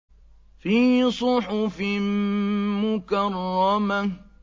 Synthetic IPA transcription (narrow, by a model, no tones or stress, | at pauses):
fiːsˤʊħʊfɪmmʊkarˤːɑma